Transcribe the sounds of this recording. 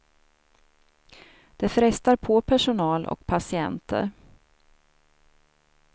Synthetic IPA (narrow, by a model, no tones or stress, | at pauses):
d̪̥ɛfɾɛst̪aɾpʰopʰæʂʊnɑːlʔɔ̰kpʰasɪɛnt̪ʰə̰ɾ